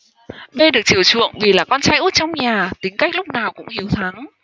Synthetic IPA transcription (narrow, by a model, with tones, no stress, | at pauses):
me˧ɗɨ˨˩ək̚t͡ɕi˧˩əwt͡ɕɨ̰˧˨əŋvi˨˩laː˨˩kɔ˧nt͡ɕaː˧jʔu˦˥t̚t͡ɕɔ˧wŋ͡mɲaː˨˩t̪ï˨˦ŋka˦˥jk̟̚lk͡p̚naː˨˩wkʊ̰˧˥ŋ͡mhi˨˦əwt̪ʰa˨˦ŋ